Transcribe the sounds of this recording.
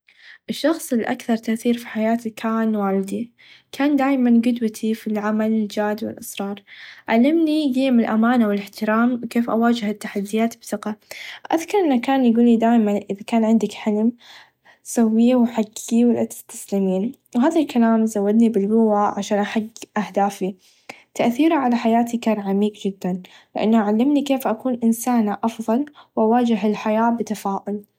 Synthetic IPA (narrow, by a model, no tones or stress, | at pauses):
ʔɪʃːɑxsˤɪlʔa̰kθɑɾˤt̪aʔθiːɾfi̥ħajaːt̪kʰaːnwaːlɪd̪i | kʰaːnd̪aːjmanɡʊd̪wat̪ʰifilʕamalɪld͡ʒaːd̪wɪ̰lʔɑ̰sˤɾˤɑːɾˤʕa̰lːɪmniɡiːmɪlʔamaːnawɪlɪħt̪ɪɾaːmkeːfʔawaːd͡ʒɪhɪt̪ːaħad̪ːɪjaːt̪bθɪqaʔa̰ðkɑɾˤʔɪnːakaːnjɡuːlːid̪aːjmanʔɪðakaːnʕɪnd̪ɪkħalm | sawːiːwħaɡiwɪlʔat̪ɪ̥st̪ḁslimiːn | wɦaːðalkalaːmzawːad̪nibɪlbʊwaʕaʃaːnʔaħaɡːʔahd̪aːfi | t̪aʔθiːɾaʕalaħajaːt̪ikaːɾˤʕamiːkd͡ʒɪd̪ːan | lɪʔanːaʔaʕalːɪmnikeːfʔakuːnʔɪnsaːnaʔɑfðˤɑlwʔawaːd͡ʒɪɦɪlħajaːbɪt̪afaːʔʊl